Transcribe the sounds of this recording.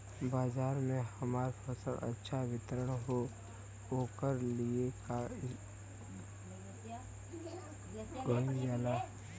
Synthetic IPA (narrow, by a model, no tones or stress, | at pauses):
baːzaːɾmẽhəmaːɾfəsəlʔə̰tːʃʰaʋɪt̪ɾəɽ̃ɦo | oːkəɾlieka | ɡoĩɡaːlaː